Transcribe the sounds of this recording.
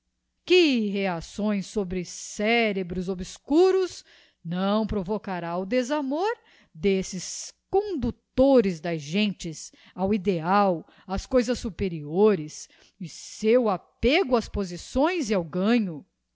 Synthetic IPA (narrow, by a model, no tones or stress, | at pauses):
kɪɦeasõj̃sːobɾɪsɛɾebɾʊzobɪskuɾʊz | nɐ̃w̃pɾovokaɾaʊd̪ezamoɾ | d̪esɪskõnd̪ut̪oɾɪzd̪ɐzʒẽnt͡ʃɪs | awid̪eaw | ɐskojzɐsːupeɾioɾɪs | ɪsewapeɡʊɐspozisõj̃ziawɡɐ̃ɲʊ